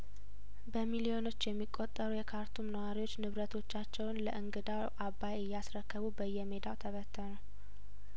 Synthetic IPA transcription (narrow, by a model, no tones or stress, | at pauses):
bəmilijo̞no̞t͡ʃːjɛmːikʼːo̞t̪ʼːəɾujɛkʰaɾt̪ʰumnəwaɾiwo̞t͡ʃːnɨβɾət̪ʰo̞t͡ʃːat͡ʃːɛwnləʔɨŋɡɨd̪awʔabːajɨjːasɾəkːəβubəjːɛme̞d̪awt̪ʰəβət̪ʰːənəw